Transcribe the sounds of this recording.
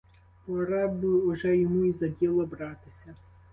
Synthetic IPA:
pɔɾɑbʊɔʒɛjɔmuizɐdʲilˠɔbɾɑt̪ɪsʲɐ

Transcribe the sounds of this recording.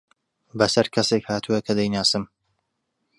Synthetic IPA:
bɐsɐɾkʰɐseːkhaːt̪ʰuɐkʰɐd̪ɐjnaːsɨm

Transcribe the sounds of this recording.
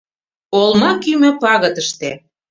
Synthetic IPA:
olmɑkymø̆pɑɣɤ̆t̪əʃt̪e

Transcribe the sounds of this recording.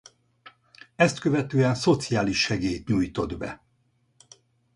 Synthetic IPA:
ɛst̪kø̞vɛt̪øːɛnso̞t̪sijaːliʃːɛɡeːjt̪ɲuːjt̪o̞d̪bɛ̰

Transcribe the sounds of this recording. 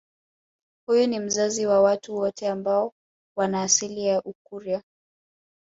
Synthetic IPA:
hujunim̩zaziwawatuwɔtʰɛambaɔ | wanaːsilijaʔukuɾia

